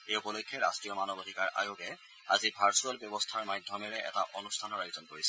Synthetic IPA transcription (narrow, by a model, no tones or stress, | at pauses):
eupɔlojkʰːɛɹa̰stɹijɔmanɔbodʱikaɹʔa̰joɡɛ | azibʱaɹsualbjɔbɔstʰaɹmadʱjɔmɛɹɛʔɛ̰taʔonustʰanɔɹajzɔnkoɹisɛ